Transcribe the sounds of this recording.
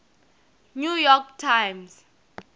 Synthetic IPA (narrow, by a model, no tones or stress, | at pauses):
nujɔktʰãjms